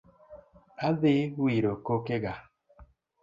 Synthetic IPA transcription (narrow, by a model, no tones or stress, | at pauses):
aðewiɾokokeɣa